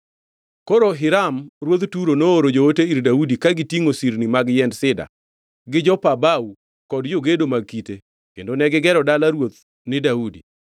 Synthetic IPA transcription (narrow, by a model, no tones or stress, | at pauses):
koɾoɦɪɾamɾwot̪tuɾonoːɾod͡ʒooteiɾdaudikaɡɪtiŋosiɾnimaɡjɛndsɪda̰ | ɡɪd͡ʒɔpabau | kɔdd͡ʒoɡedomaɡ̚kite | kḛndonɛɡɪɡɛɾɔdalaɾwot̪̚ | nɪdaudi